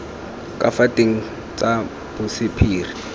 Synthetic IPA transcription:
kʼafatʼeŋ̩ | t͡sʼa | b̥ʊsɪpʰiːri

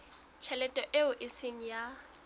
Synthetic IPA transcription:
t͡ʃʰɛlɛtʼɔʔeʊʔɪsɪŋ̩ja

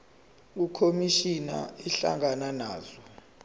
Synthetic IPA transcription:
ikʰomiʃina̰iɬa̰ŋananaːzɔ

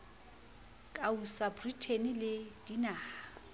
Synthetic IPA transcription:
kʼausabritʰenilɪd̥inaː

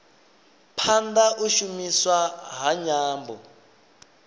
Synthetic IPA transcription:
pʰand̪aʔuʃumiswaɦaɲaːmbɔ

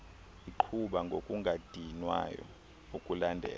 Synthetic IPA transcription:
iǃʰuɓaŋɡʱokʼuŋɡʱad̥ʱinwa̰jɔ̰ | ukʼulandʱɛ̰ːl

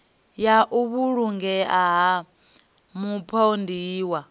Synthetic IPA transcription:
jaʔuβuɺuŋɡɛaɦa | mupʰɔndiːwa

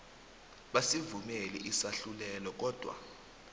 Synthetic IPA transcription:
ɓasivumɛlɛʔisaɬulɛlɔk̬ɔːd̥ʱwa̰

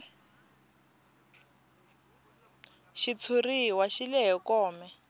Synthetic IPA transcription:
ʃit͡sʰuriwaʃilɛɦɛkɔːmɛ

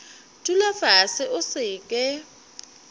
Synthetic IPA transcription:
tʼulafasɪʔʊsɪkʼɛ

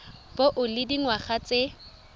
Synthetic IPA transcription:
b̥oʔʊlɪdiŋwaχat͡sʼe

